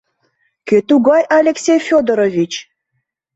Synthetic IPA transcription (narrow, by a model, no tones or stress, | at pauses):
kʲøt̪uɡɑjɑlʲeksʲejfʲod̪oɾovʲit͡ɕ